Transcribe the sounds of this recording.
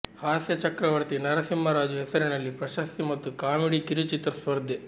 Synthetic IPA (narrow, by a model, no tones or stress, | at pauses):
haːsjɐt͡ʃɐkɾɐʋɐɾt̪inɐɾɐsimːɐɾaːd͡ʒuɦɛsɐɾenɐlːipɾɐʃɐst̪imɐt̪ːukaːmiɽikiɾit͡ʃit̪ɾɐsʋɐɾd̪ʱːe